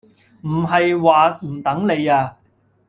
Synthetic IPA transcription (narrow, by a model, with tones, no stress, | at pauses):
m̩˨˩ɦɐ˨jwaː˨m̩˨˩t̪ɐ˨˥ŋle˨˧jaː˧